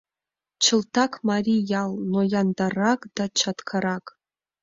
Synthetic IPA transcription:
t͡ʃʰɨltʰakʰmarijalnojandarakʼd̥at͡ʃʰatkʰaɾakʼ

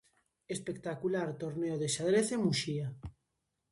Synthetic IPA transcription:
espekt̪akulaɾt̪oɾneoðeʃaðɾeθemuʃia

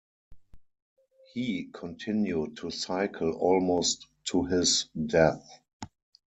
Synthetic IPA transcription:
hiːkʰɔ̃ntʰɪ̃njud̚tʰusaɪkʰəl̩ɔlmoʊstʰːuɦɪsdɛθ

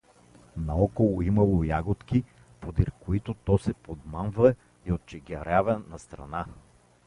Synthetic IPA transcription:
nɐɔkolˠoimɐlˠojaɡot̪ki | pod̪iɾkoit̪ot̪ɔsɛpod̪manvə | iot̪̚t͡ʃɛɡʲɐɾavɛnɐst̪ɾɐ̰na

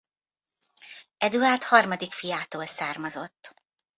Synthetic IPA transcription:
ɛd̪uart̪hɒrmɒd̪ikfijaːt̪oːlsaːrmɒzo̞t̪ː

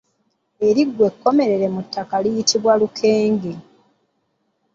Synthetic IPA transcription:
e̞ɾiɡwe̞kːo̞me̞ɾe̞ɾe̞mutʰːakalijitʰiβwalukʰe̞ːŋɡe

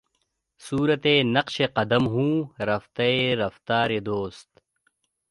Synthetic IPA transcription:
suːɾɐt̪enɐqʃeqɐd̪ɐmɦũːɾɐft̪ɐeɾɐft̪aːɾed̪oːst̪

